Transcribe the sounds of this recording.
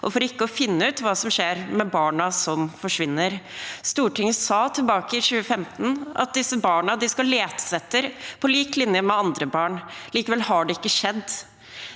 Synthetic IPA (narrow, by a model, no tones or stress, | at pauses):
ʔɔ̰fɔɾɪkːəɔfɪnːəʉːt̪ʋɑːsɔmʂeːɾmɛbɑːɳɑsɔmfɔʂʋɪnːəɾst̪uːʈɪŋəsɑːt̪ʰɪlbɑːkəɪɕʉːəfɛmt̪n̩ɑ̰t̪̚d̪ɪsəbɑːɳɑd̪ɪskɑleːt̪sɛt̪ːəɾpʰɔliːklɪnjəmɛɑnd̪ɾəbɑːɳliːkəʋɛlhɑɖɛɪkːəʂɛd̪ː